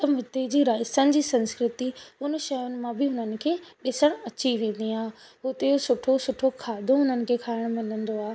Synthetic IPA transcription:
t̪ɐmʊt̪ed͡ʑiːɾaːɪsənɪ̆d͡ʑiːsɐ̃nskɾɪt̪iʊnʃɐjʊnɪ̆mãbɪɦʊnənɪ̆kʰeːɗɪsəɽ̃ɐt͡ɕiʋẽːn̆d̪iaː | ɦʊt̪eosʊʈʰosʊʈʰokʰaːd̪ʱõɦʊnənɪ̆kʰeːkʰaːɪɽ̃mɪlə̃nd̪oaːe

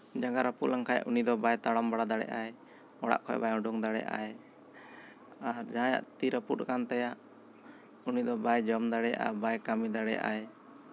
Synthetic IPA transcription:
d͡ʒaɡaɾəpulaŋkʰaja̰ʔunid̪ɔbajt̪aɽɔmbaɽad̪aɽɛ̰ʔae | ɔɽa̰ʔkʰɔjɛ̰bajɔ̃ɖuŋd̪aɽɛ̰jʔa̰e | aɾd͡ʒaɦãja̰ʔt̪iɾəput̪̚kant̪ajaʔ | unid̪ɔbajd͡ʒɔmd̪aɽɛjaʔa̰bajkamid̪aɽɛ̰ja̰ʔa̰j

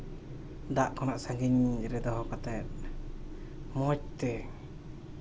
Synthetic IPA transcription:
daʔkɔnaʔsaŋɡiɲd͡ʒɾɛd̪ɔɦɔkat̪ɛt̪̚ | mɔc̚t̪ɛ

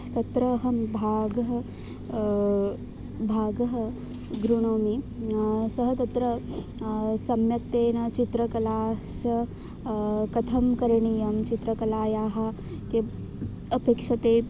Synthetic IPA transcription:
t̪ɐt̪ɾɐɦɐmbʱaːɡɐɦɐ | bʱaːɡɐɦɐ̆ | ɡɾunoːmi | sɐɦɐt̪ɐt̪ɾɐ | sɐmjɐk̚t̪eːnɐt͡ʃit̪ɾɐkɐlaːsɐ | kɐt̪ʰɐmkɐɾɳijɐmt͡ʃit̪ɾɐkɐlaːjaːɦɐ̆ | ke | ɐpekʂɐt̪eː

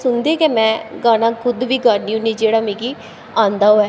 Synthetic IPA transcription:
sʊnd̪eːkemɛ̃ːɡaːnãːkʰʊd̪ʋiːɡaɾniːʊ̃nĩːd͡ʒeːɽaːmẽːɡi | ãːnd̪aːoɛː

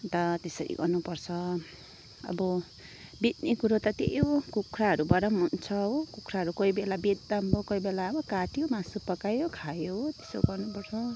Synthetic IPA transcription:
t̪ʌt̪esʌɾḭɡʌrnupʌrt͡sʰʌ | ʌ̰bʌ | bit̪̚nikuɾot̪ʌt̪ḛjokukʰraɦʌɾubʌɾʌmɦunt͡sʰʌokukʰɾaɦʌɾukʌjbelabed̪ːambokʌjbelaʌbʌkaʈijomasupʌkajokʰajot̪e̥so̰ɡʌrnupʌɾt͡sʰʌ

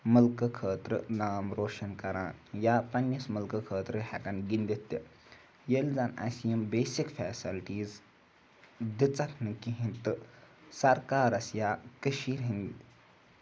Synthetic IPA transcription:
mɐlkəkʰəːt̪ɾənaːmɾoːʂɐnkɐɾaːnjapɐnjɐsmɐlkəkʰəːt̪ɾəɦakanɡind̪et̪ːɐ | jeld͡zana̰sjɐmbeːsikfɛːsilʈiːz | d̪it͡sɐkʰnɨkiɦĩnt̪ɨsɐɾkaːɾɐsjaːkəʃiːɾĩn

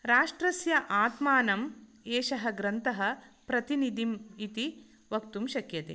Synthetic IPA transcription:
ɾaːʂʈɾɐsjɐʔaːt̪maːnɐm | eːʃɐɦɐɡɾɐnt̪ɐɦɐ̆pɾɐt̪inid̪imit̪i | ʋɐk̚t̪umʃɐkjɐt̪ḛ

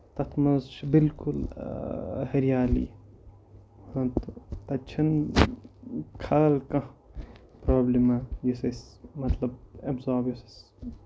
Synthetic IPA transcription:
t̪ɐt̪ʰmɐzt͡ʃʰbilkul | hɐɾjaːlḭ | hɐ̃t̪op̪ɐt͡ʃʰɐn | kʰaːlkɐ̃ | pɾoːblimajisɐsmɐt̪lɐbɐbzaːbisɐs

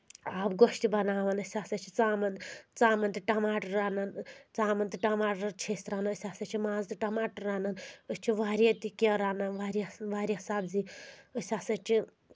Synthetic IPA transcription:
aːbɡoʃt̪ibɐnaːʋɐnɐsʲaːsɐt͡ʃʰi̥t͡saːmɐnt͡saːmɐnt̪iʈɐmaːʈɐɾaːnɐnt͡saːmɐnt̪iʈɐmaːʈɾɾt͡ʃʰesʲt̪ɾaːnɐəsʲaːsɐt͡ʃʰimãːzt̪iʈɐmaːʈɐɾːaːnɐnəsʲt͡ʃʰiʋaːɾiɐt̪ikʲɐɾaːnɐnʋaːɾʋaːɾʲisaːbziəsʲaːsɐt͡ʃʰi

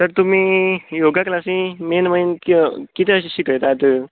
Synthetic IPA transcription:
t̪əɾt̪um̤iːjoɡaklasĩmenməjnkikit̪eəɕiɕikəjt̪at̪ə

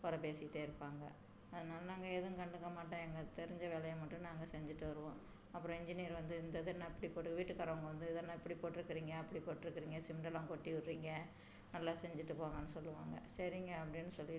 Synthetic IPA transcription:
kɔɾɐpeːsɪʈ̪ːeːɪɾɯpːaːŋɡɐ | ɐðɐnaːlɐnaːŋɡɐeðɯ̃kɐɳɖɯkːɐmaːʈːãɛŋɡɐt̪ɛɾɪɲd͡ʒɐʋeːlɐjɐmaʈːɯ̃naːŋɡɐsɛɲd͡ʒɪʈːɯʋɐɾɯʋõː | ɐpːɯɾɔ̃ɪɲd͡ʒɪniːɐɾʋɐnd̪ɯɪnd̪ɐðɯnãɪpːɐɽipoːʈːɯkːɐʋiːʈːɯkːɐɾɐʋɐŋɡɐʋɐnd̪ɯɪðɐːnːaɛpːɐɽipoːʈːɪɾɯkːɪɾiːŋɡɐɐpːɐɽipoːʈːɪɾɯkːɪɾiːŋɡɐsɪmɖɐlãːkɔʈːiʋɪʈːɾiːŋɡɐ | nɐlːaːsɛɲd͡ʒɪʈːɯpoːŋɡɐnːɯsɔlːɯʋaːŋɡɐ̰sɐɾɪŋɡɐɐp̬ːɐɽɪnːɯsɔlːɪ

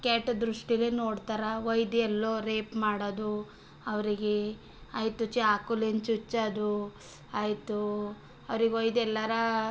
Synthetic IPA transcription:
kaːʈd̪ɾuʂʈiɐlinoːɽt̪aːɾɐʋɐjd̪ɛlːoːɾeːpmaːɽod̪u | ɐʋɐɾiɡe | aːjt̪ut͡ʃːiaːkulent͡ʃut͡ʃːɐd̪u | aːjt̪u | ɐʋɐɾiɡeʋojd̪ɛlːɐɾɐ

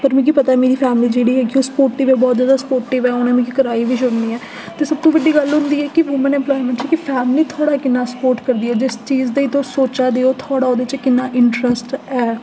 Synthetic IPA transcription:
pəɾmɛ̃ːk̬iːpət̪aɛːmeːɾiːpʰɛːmliːd͡ʒeːɽiːɛːkɪoːspoːɾʈiːʋɛːbɔːt̪zjaːd̪aːsə̥poːɾʈɪːʋɛːoːnãːmɛ̃kikəɾaːiːʋiːʃʊnd̪iːɛː | t̪eːsəb̚t̪õːʋəɖiːɡəlɦʊ̃nd̪iːɛːkɪʋʊmənɛ̃ːmplɔːimɛ̃ɳʈt͡ʃikɪpʰɛːmliːt̪ʰoːɽaːkɪnːãːsə̥poːɾʈkəɾd̪iːɛːd͡ʒɪst͡ʃiːzd̪eiːt̪õːsoːt͡ʃaːd̪eːoːt̪ʰoːɽaːod̪et͡ʃkɪnːaːʔɪɳʈɾəsʈɛː

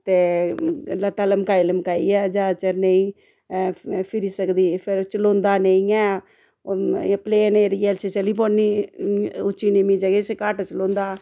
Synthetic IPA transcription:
t̪eː | lət̪ːaːləmkaːiləmkaːiɛːd͡ʒaːt͡ʃəɾneĩ | pʰɪɾiːsəkd̪iːpʰɪɾt͡ʃəlõːnd̪aːneĩɛː | pleːneːɾiːɛlt͡ʃʰet͡ʃəliːp̬oniː | ʊt͡ʃːiːnemĩːd͡ʒəɡet͡ʃkaːʈt͡ʃəlõːnd̪aː

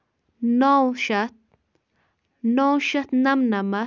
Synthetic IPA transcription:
nawʃat̪̚ | nowʃat̪namnama

